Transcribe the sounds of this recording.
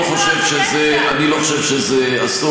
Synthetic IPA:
χoʃevʃezɛ | aniloχoʃɛvʃezɛ | ast̪o

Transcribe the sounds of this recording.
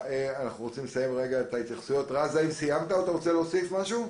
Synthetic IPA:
eanaχnuʁo̞t͡simlesaje̞mʁe̞ɡaet̪ait̪jaχsujo̞tʁazaimsijamt̪aat̪aʁo̞t͡selosifmaʃu

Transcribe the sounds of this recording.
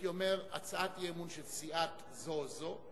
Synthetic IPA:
jomeʁa̰t͡saat̪jemunʃelt͡siat̪ | zozo

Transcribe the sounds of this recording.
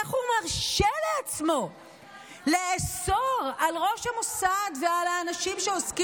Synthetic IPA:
aχumaʁʃeleat͡smo̞ | leesoʁalʁo̞ʃhamosadvealaːnaʃimʃeoski

